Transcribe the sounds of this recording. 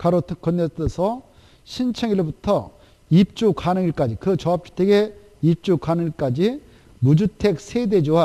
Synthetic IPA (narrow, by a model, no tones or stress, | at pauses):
kaɾotʰkʌnːeesʰʌ | ɕʰint͡ɕʰeŋiɾobutʰʌ | ip̚t͡ɕ͈ukanɯŋiɭk͈ad͡ʑikɯt͡ɕʌap̚t͡ɕ͈u̥tʰe̞ɡe̞ | ip̚t͡ɕ͈ukanɯŋiɭk͈ad͡ʑi | mud͡ʑutʰe̞k̚sʰede̞d͡ʑoa